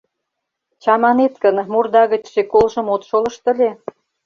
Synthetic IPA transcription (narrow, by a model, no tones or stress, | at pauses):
t͡ɕɑmɑnet̪kənmurd̪ɑɣə̆t͡ɕʃekolʒə̆mot̪ʃolə̆ʃt̪ə̆lʲe